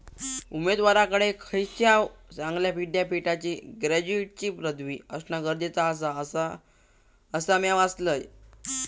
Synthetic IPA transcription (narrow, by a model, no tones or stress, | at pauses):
umed̪ʋaɾakəɽekʰəjɕjawt͡sãŋɡljapiɖjapiʈat͡ɕiːɡɾæd͡ʑuiʈ̚t͡ɕiːpɾəd̪ʋiːəsnaɡəɾd̪et͡saːs̬aəsa | əsamjaʋasləj